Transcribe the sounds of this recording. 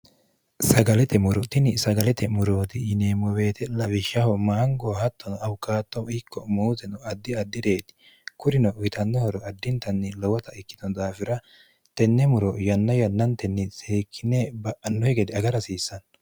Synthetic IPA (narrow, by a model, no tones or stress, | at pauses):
sɐɡɐlɛt̪ʰɛmʊɾɔt̪ɪnɪsɐɡɐlɛt̪ɛmʊɾoːt̪ɪɪneːmɔwe̞ːt̪ʰɛlɐβɪʃɐhɔmaːŋɡɔhɐt̪ːɔnɐwkaːt̪ːɔkːɔmuːzɛnɔɐd̪ːɪɐd̪ːɪd̪e̞ːt̪ɪ̥ | kʊɾɪnɔʔʊɪt̪ʰɐnːɔhɔɾɔɐd̪ːɪnt̪ɐnːɪlɔwɐt̪ɐɪkːɪ̥d̪ɔnd̪aːfɪɾɐ | t̪ɛnːɛmʊɾɔjɐnːɔjɐnːɐnt̪ɛnːɪseːkʰːɪnɛbɐʔɐnːɔhɛɡɛd̪ɪɐɡɐɾɐsiːsːɐn